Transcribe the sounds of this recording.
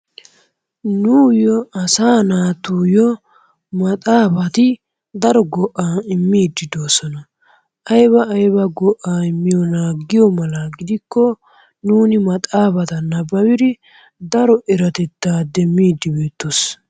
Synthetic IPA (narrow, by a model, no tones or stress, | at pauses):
nuːjɔɐsaːnaːt̪uːjɔ | mɐt̪ʼaːbɐt̪ɪ | d̪ɐɾɔɡɔʔːaɪmːiːd̪ːɪd̪oːsɔnɐ | ʔɐjbɐːjbɐɡɔʔaɪmːɪjɔnaːɡːɪjɔmɐlɐɡɪd̪ɪkːɔ | nuːnɪmɐt̪ʼaːbɐt̪ɐnɐbɐwɪɾɪ | d̪ɐɾɔʔɛɾɐt̪ɛt̪ːaːd̪ɛmːiːd̪ːɪbe̞ːt̪ːos